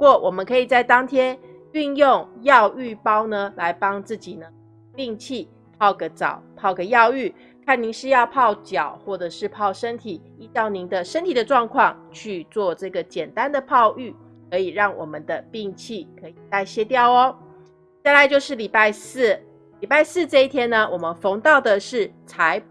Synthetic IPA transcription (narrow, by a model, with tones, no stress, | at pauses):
u˧˥kwɔ˥˩wʔɔ˨˩mə˦nkʰɤ˧˥i˨˩t͡sa˥˩ɪt̪ɑ˥ŋt̪ʰjɛ˥n | y˥˧njʊ˥˩ŋjɑ˥˧ʊy˥˩pɑ˥ʊnə˧la˧˦˥ɪpɑ˥ŋt͡sɹ̩˥˩t͡ɕi˨˩nə˦ | pi˥˧ŋt͡ɕʰi˥˩ | pʰɑ˥˧ʊɡə˨˩t͡sɑ̰˨˩˦ʊpʰɑ˥˩ʊɡə˩jɑ˥˧ʊy˥˩ | kʰa˥˩nni˧˥ŋʂɻ̩˥˧jɑ˥˧ʊpʰɑ˥˩ʊt͡ɕjɑ˨˩˦ʊxwɔ˥˩ʈ͡ʂɤ˨˩ʂɻ̩˥˧pʰɑ˥˩ʊʂə˦˥nt̪ʰi˨˩˦ | i˥t̪ɑ˥˩ʊni˧˥ŋd̪ə˧ʂə˥nt̪ʰi˨˩d̪ə˦ʈ͡ʂwɑ˥˧ŋkʰwɑ˥˧ŋt͡ɕʰy˥˧t͡swɔ˥˧ʈ͡ʂɤ˥˩ɡə˩t͡ɕjɛ˨˩nt̪a˦nd̪ə˨pʰɑ˥˧ʊʔy˥˩ | kʰɤ˧˥i˨˩ɻɑ˥˩ŋwɔ̰˨˩mə˨nd̪ə˩pi˥˧ŋt͡ɕʰi˥˩kʰɤ˧˥i˨˩t̪a˥˧ɪɕjɛ˥t̪jɑ˥˩ʊɔ˦ | t͡ɕa˥˩ɪla˧˦ɪt͡ɕjo˥˧ʊʂɻ̩˥˩li˨˩pa˥˧ɪs̩˥˩ | li˨˩pa˥˧ɪsɹ̩˥˧ʈ͡ʂɤ˥˧i˥˩t̪ʰjɛ˥nə˨wʔɔ˨˩mə˦nfo˧˥ŋt̪ɑ˥˩ʊd̪ə˨ʂɻ̩˥˩t͡sʰa˧˦˥ɪ